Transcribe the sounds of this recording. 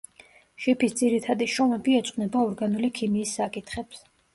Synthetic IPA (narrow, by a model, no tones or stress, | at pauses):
ʃipʰisd̪ziɾit̪ʰad̪iʃɔmɛbiɛt̪sʼqʼnɛbaɔɾɡanulikʰimiːsːakʼit̪ʰχɛps